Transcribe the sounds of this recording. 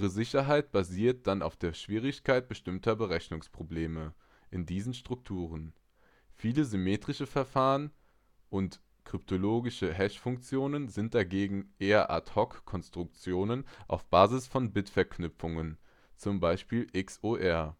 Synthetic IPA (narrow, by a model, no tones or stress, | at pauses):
ʁəzɪçɐɦaɪt̚b̥aziːɐt̚d̥ana̰ʊfd̥eːɐʃv̥iːʁɪçkʰaɪt̚b̥əʃtɪmtʰɐbəʁɛçnʊŋspʁ̥obleːmə | ʔɪndiːzn̩ʃtʁ̥ʊk̚tʰuːʁ̞ən | fiːləzymeːtʁ̥ɪʃəfɛɐfaːʁən | ʔʊnt | kʁ̥ʏp̚tʰoloːɡɪʃəɦɛʃfʊŋk̚t͡sjoːnənzɪnt̚d̥aɡeːɡŋ̩ʔeːɐʔa̰thɔkkʰɔnstʁ̥ʊkt͡sjoːnənʔa̰ʊfb̥aːzɪsfɔnbɪtfɛɐknʏpp͡fʊŋən | t͡sʊmbaɪʃpiːlʔɪksʔoːʔɛɐ